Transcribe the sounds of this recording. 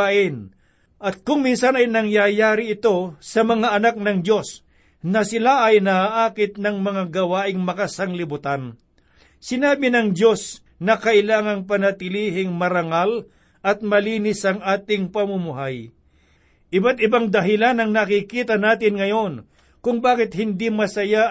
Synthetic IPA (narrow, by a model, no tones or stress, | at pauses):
aʔɪn | ʔɐt̪̚kʊŋminsanɐjnɐŋjajaːɾɪɪt̪o̞sɐmɐŋaʔɐnak̚nɐŋd̪jo̞s | nɐsɪlaʔɐjnaaʔaːkɪt̪̚nɐŋmɐŋaɡɐwaːʔɪŋmɐkasɐŋlɪbʊt̪an | sɪnaːbɪnɐŋd̪jo̞s | nɐkɐʔɪlaːŋɐŋp̬ɐnɐt̪ɪliːɦɪŋmɐɾɐŋal | ʔɐt̪̚mɐliːnɪsɐŋʔaːt̪ɪŋpɐmʊmʊɦaj | ʔɪbat̪̚ɪbaŋd̪ɐɦɪlanɐŋnɐkikiːt̪ɐnaːt̪ɪnŋɐjo̞n | kʊŋbaːkɪt̪̚hɪnd̪imɐsɐja